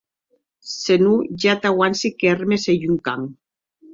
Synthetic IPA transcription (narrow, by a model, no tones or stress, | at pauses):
senuʝat̪awansikermesejuŋkaŋ